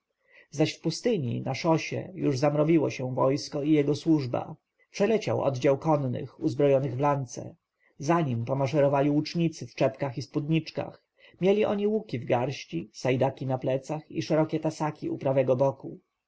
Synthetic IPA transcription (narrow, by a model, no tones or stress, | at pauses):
zaɕfpust̪ɘɲḭnaʂɔɕɛ̰juʐzamɾɔvʲiwɔɕɛ̃vɔjskɔijɛɡɔswuʐba̰ | pʂɛlɛt͡ɕa̰wʔɔ̰d̪d͡ʑawkɔnːɘ̰xuzbɾɔjɔnɘɣvlant̪sɛ̰ | zaɲimpɔmaʂɛɾɔvalʲiut͡ʂɲit̪sɘft͡ʂɛpkaxispud̪ɲit͡ʂka̰x | mʲjɛlʲiʔɔɲiwukʲivɡaɾɕt͡ɕisajd̪akʲinaplɛt̪saxḭʂɛɾɔkʲɛt̪asakʲiṵpɾavɛɡɔbɔku